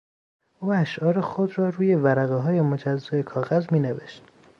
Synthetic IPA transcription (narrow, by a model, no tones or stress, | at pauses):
ʔuːæʃʔɒːɾexod̪ɾɒːɾuːje̞væɾæɣeɦɒːje̞mod͡ʒæzːɒːekʰɒːɣæzmiːneveʃt̪̚